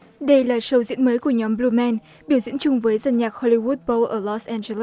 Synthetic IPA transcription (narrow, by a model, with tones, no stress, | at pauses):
ɗə˧jlaː˨˩sə˨˧wzḭ˧˥ənməː˨˦jku˧˩əɲɔ˨˦mblu˧mɛ˧n | ɓi˧˩əwzḭ˧˥ənt͡ɕʊ˧ŋ͡mvəː˨˦jza˨˩nɲaː˨˩k̚xɔ˧li˧wu˦˥t̚bo˧ʔəː˧˩lɔ˦˥sʔɛ˧nze˧lə˦